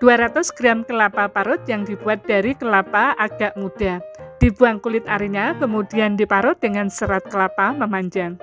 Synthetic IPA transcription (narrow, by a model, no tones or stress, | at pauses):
d̥uaɾat̪ʊsɡ̥ɾamkəlapapaɾʊt̪̚jaŋdib̥uat̪̚d̥aɾikəlapaʔaɡ̥aʔmud̥ad̥ibuaŋkulɪt̪̚aɾiɲakəmudiandipaɾʊt̪̚dəŋansəɾat̪̚kəlapaməmaɲd͡ʒaŋ